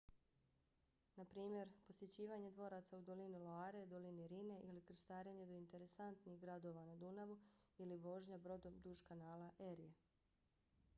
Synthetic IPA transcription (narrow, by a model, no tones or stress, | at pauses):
napɾiːmʲje̞ɾpo̞sje̞t͡ɕiːʋaɲe̞d̪ʋo̞ɾat̪saud̪o̞linilˠoaːɾed̪oliniɾine̞ʔilikɾ̩st̪aːɾeɲed̪o̞int̪e̞ɾe̞sant̪niɣɡɾad̪o̞ʋanad̪unaʋuiliʋo̞ʒɲabɾo̞d̪o̞md̪uʃkanaːlaʔeɾije